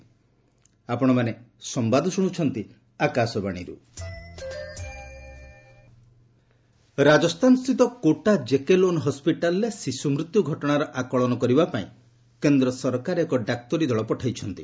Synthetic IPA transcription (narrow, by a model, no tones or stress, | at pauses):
apɔɽ̃ɔmanesɔmbad̪ʱɔsuɽ̃ut͡ʃʰɔnt̪i | akasɔbaɽ̃iɾṵ | ɾad͡ʒɔst̪ʰanɔst̪ʰit̪ɔkoʈad͡ʒekelonɦɔspiʈalɔɾesisumɾut̪juɡʱɔʈɔɽ̃aɾɔʔakɔɭɔnɔkɔɾibapaĩ | kend̪ɾɔsɔɾkaɾekɔɖak̚t̪ɔɾid̪ʱɔɭɔpɔʈʰajt͡ʃʰɔnt̪i